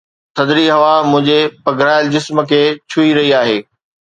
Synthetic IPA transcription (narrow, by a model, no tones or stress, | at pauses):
t̪ʰɐd̪ɾiɦɐʋamʊ̃ɦɪ̃ɲd͡ʑepɐɡʱɾaːɪld͡ʑɪsmkʰeːt͡ɕʰʊiɾɐɦiaːɦeː